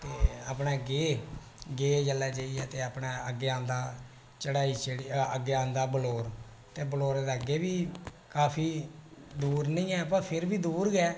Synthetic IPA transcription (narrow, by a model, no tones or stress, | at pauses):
t̪eːaːpnaːɡeː | ɡeːd͡ʒəlːaːd͡ʒaːiːɛːt̪eːəːpɳaːəɡeːãːnd̪aː | t͡ʃəɽaːiːt͡ʃəɽiːəɡeːãːnd̪aːbəloːɾ | t̪eːbəloːɾd̪eːəɡeːbiː | kaːpʰiːd̪uːɾnəĩːɛːəpãːpʰɪɾbiːd̪uːɾɡɛː